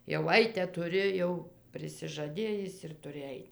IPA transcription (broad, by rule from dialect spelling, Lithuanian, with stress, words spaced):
jɛʊ ˈɐɪtʲɛ tʊˈrʲɪ jɛʊ pʲrʲɪsʲɪʒɐˈdʲeːjɪs ɪr tʊˈrʲɪ ˈɐɪt